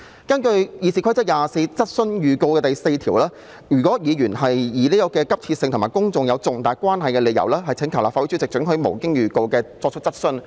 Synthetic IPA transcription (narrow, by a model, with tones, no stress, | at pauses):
kɐ˥nkɵ˧ɥjiː˨˧siː˨˧kʰt͡sɐ˥t̚jaː˨se˧jt͡sɐ˥t̚sɵ˥njyː˨ko˧wkɛː˧t̪ɐ˨jse˧jt̪ʰiː˨˩wlaː˥ | jyː˨˩k̬ɔː˨˥jiː˨˧jyː˨˩nhɐ˨jiː˨˦liː˥kɔː˧kɛː˧kɐ˥p̚t͡sʰiː˧t̚sɪ˧ŋt̪ʰmaː˨˩kʊ˥ŋt͡sʊ˨ŋjɐ˨˧wt͡sʊ˨ŋt̪aː˨˩jkʷwaː˥nɦɐ˨jkɛː˧le˨˧jɐ̰˨˩wlɛː˥ɦɐ˨jt͡sʰɪ˨˥ŋkʰɐ˨˩wlaː˨˩fa˧˥wu˨˥syː˥t͡sɪ˨k̚t͡ʃɵ˨˥ŋɦɵ˨˥mo˨˩wkɪ˥ŋjyː˨ko˧wkɛː˧t͡sɔː˧k̚t͡ʃ̚ʰt͡sɐ˥t̚sɵ˥n